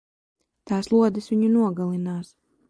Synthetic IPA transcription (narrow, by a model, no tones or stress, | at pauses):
t̪aːslˠuɔd̪ɨsʋʲiɲunuɔɡalˠinaːs